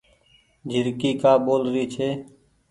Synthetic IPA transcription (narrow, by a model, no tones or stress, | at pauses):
d͡ʒʱɪɾkiːkaːɓoːlɾiːt͡ʃʰeː